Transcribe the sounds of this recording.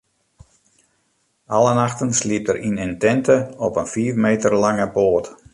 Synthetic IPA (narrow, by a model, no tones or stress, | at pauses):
alənaxtənsliəp̚tərʔinəntɛntəɔpənfiːfmeːtərlaŋəpoːt